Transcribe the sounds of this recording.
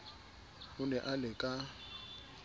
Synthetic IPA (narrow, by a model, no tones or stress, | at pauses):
hʊnɛʔalɪkʼa